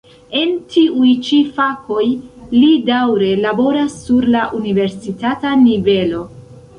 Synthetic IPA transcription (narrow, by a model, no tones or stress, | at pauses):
e̞ntʰiujt͡ʃifako̞jlidawɾe̞labo̞ɾasːuɾlaʔunive̞ɾsitatanive̞lo̞